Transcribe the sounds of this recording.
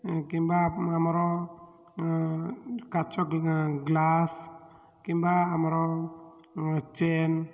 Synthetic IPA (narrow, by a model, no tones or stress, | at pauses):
kimbaamɔɾɔ | kat͡ʃɔɡlas | kimbaːmɔɾɔ | t͡ʃen